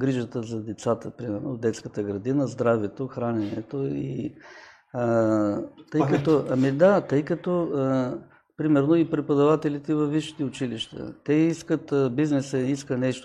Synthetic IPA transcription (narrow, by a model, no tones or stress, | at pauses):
ɡɾiʒət̪əzɐd̪ɛt̪sat̪əpɾimɛɾnod̪ɛt̪skət̪əɡɾɐd̪inəzd̪ɾavɛt̪oxɾanɛnɛt̪oi | t̪əjkɐt̪ɔɐmid̪at̪ɤjkɐt̪ɔ | pɾimɛɾnoipɾɛpɐd̪ɐvat̪ɛlit̪ɛvɐfːiʃi̥t̪ɛʊt͡ʃiliʃt̪ə̰t̪ɛiskət̪biznɛsəiskənɛʃt̪